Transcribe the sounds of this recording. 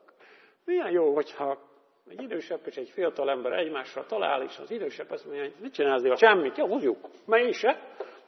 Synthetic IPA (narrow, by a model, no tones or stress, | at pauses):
mijɛnjoːɦo̞chɒ | ɛɟid̪øːʃɛbːeːʃɛɟfijɒt̪ɒlɛmbɛɾɛɟmaːʃːɒlt̪ɒla̰ːliʃnɒ̰zid̪øːʃɛbːɒsmoɲːonɛt͡ʃinaːlzneːɒt͡ʃɛmːit̪johozjukmɛjiʃɛ